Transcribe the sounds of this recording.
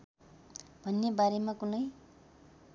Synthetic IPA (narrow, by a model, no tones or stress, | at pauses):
bʱʌnːebaɾemakunʌj